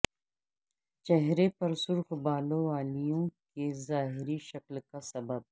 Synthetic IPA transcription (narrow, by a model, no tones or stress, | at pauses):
t͡ʃɛɦɾepɐɾsʊɾxbaːlõaːlijõkezaːɦɪɾiʃɐklkasɐbɐb̚